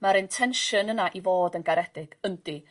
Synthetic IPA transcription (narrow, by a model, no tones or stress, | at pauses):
maɾɪntʰɛnʃɨnənaʔivoːdənɡaɾɛdɪɡ̥ənd̥i